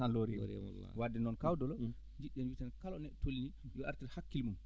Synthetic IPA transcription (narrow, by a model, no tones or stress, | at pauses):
anloɾɛɾ̰wadːɛnɔnkawdɔlɔ | ɲd͡ʒiɗɛnwitankalɔnɛɗɛtolinijɔaɾtiɾhakːilmum